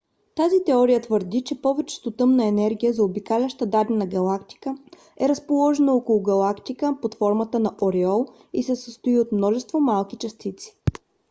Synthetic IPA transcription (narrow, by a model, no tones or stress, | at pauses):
t̪azit̪ɛɔɾijət̪vəɾd̪it͡ʃɛpɔvɛt͡ʃɛ̥t̪ot̪ɤmnɐɛnɛɾɡʲijəzɐobikalʲəʃt̪əd̪ad̪ɛnɐɡɐlˠakt̪i̥kə | ɛɾəspolˠɔʒɛnɐɔkolˠʊɡɐlˠakt̪ikəpot̪fɔɾmət̪ənɐʔoɾɛɔlˠ | isɛsəst̪oiot̪mnɔʒɛst̪vomalˠkit͡ʃɐst̪it̪si̥